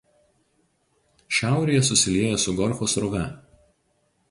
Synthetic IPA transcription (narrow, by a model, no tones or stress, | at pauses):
ʃʲæˑʊɾʲijɛs̬ʊsʲɪlʲiɛjosʊɡɔɾʲxoːsɾɔʋʲɛ